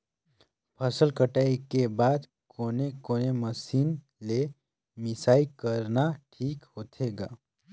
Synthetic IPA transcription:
pʰəsəlkəʈaːikebaːd̪ | koːnekoːneməsiːn | le | mɪsaːikəɾnaʈʰiːkhoːt̪ʰeːɡa̰ː

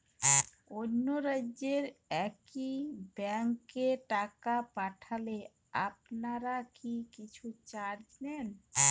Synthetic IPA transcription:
onːoɾaːeɾɛkibɛŋkːeʈakapaʈʰale | a̰pnaɾakikit͡ɕʰut͡ɕaɾd͡ʑnɛn

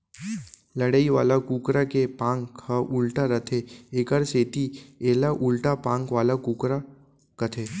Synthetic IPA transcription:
lɐɽaːiʋa̰ːlakuːkɾakepãːŋkaʔʊlʈaɾɐt̪ʰeeːkəɾseːt̪ieːlaʔʊlʈapãːŋkʋaːlakuːkɾa | kɐt̪ʰeː

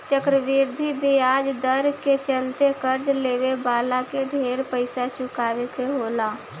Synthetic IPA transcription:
t͡ʃəkɾəʋɪɾd̪ʱibʱiaːd͡ʒd̪əɾket͡ʃəlt̪ekəɾd͡ʒleːʋebaːlakeɖʱeːɾpəɪsat͡ʃʊkaːʋekeɦoːlaː

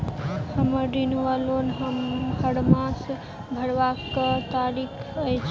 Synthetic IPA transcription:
həməɾːinʋalonɦəmhəɽmas | bʱəɽʋakət̪aɾikʰəjt͡ʃʰ

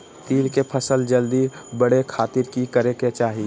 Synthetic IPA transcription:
t̪iːɾkepʰəsəld͡ʒəld̪ibəɽekʰaːt̪ɪɾkikəɾeket͡ʃaːɦi

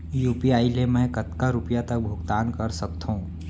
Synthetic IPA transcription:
juːpiaːilemɛ̃kɐt̪kaɾʊpjat̪ɐk̚bʱʊɡt̪aːnkɐɾsɐk̚t̪ɦũː

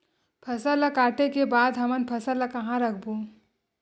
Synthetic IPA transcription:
pʰəsələkaːʈekebaːd̪ɦəmənpʰəsələkəɦãɾək̚ʰbu

